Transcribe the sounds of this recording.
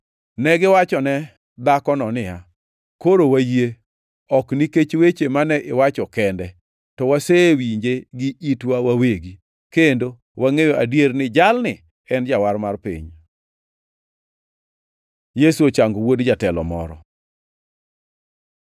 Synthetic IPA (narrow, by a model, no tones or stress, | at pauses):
nɛɡɪwat͡ʃɔnɛ | d̪akɔnɔnɪja | koɾowaje | ɔkniket͡ʃwet͡ʃemanɛʔɪwat͡ʃɔkɛndɛ | tɔwaseːwiɲd͡ʒeɡɪʔitwawaweɡi | kendo | waŋejoʔadjernɪd͡ʒalnɪ | ɛnd͡ʒawarmarpḭɲ | jesuot͡ʃaŋɡowodd͡ʒatɛlɔ̰mɔ̰ɾɔ̰